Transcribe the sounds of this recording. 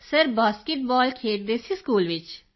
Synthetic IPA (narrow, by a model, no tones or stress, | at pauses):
səɾbaːskɪʈ̚bɔːlkʰeːʈ̚d̪eːsiskuːlʋɪt͡ʃ